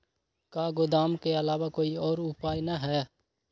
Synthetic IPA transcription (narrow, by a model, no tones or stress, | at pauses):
kaːɡʊd̪aːmkeəlaːwakoːiɔːɾʊpaːjnaɦɛː